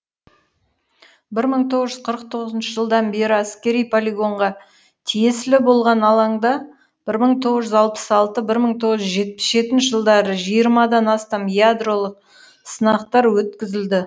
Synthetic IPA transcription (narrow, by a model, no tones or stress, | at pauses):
bɪɾməɴt̪ʰo̞ʁəzʒʏz̥qʰəɾəq̚t̪ʰo̞ʁəzənʃəʒəlˠd̪ɑnbe̞ɾɪæskʲe̞ɾijpʰolʲiɡo̞ɴʁɑ | t̪ʰije̞sɪlɪbo̞lˠʁɑnɑlˠɑɴd̪ɑ | b̥ɪɾməɴt̪ʰo̞ʁəzʒʏzɑlˠpə̥sɑlˠt̪əbɪɾməɴt̪ʰo̞ʁəzʒʏzʒe̞t̪̚pɪ̥sʒe̞t̪ɪnʃɪʒəlˠd̪ɑɾəʒijəɾmɑd̪ɑnɑst̪ɑmjad̪ro̞lˠəq̚ | sənɑqt̪ɑɾwɵt̪kʲɪzɪld̪ɪ